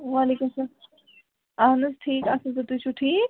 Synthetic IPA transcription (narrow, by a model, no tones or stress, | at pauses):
ʋaːleːkumsaː | aːnɐsʈʰiːkasɐt̪ɐt̪ut͡ʃʰuʈʰiːk̚